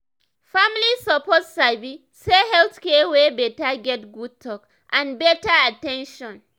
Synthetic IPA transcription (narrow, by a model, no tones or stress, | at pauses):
famlisɔpɔtsabi | sehɛlθkɛwebetaɡɛtɡud̚tʰɔk | ʔãnbɛtaatɛ̃nʃɔ̃n